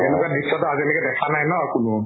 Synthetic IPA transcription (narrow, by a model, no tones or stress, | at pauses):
tenukadisːɔtɔazilɔkɛdɛkʰanajnɔkʊnʊ